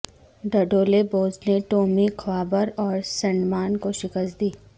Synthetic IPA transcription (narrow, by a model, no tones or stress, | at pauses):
ɖɐɖoːleboːzneʈoːmikʰwaːbəɾɔːɾsɐ̃nmaːnkoʃɪkəst̪̚d̪iː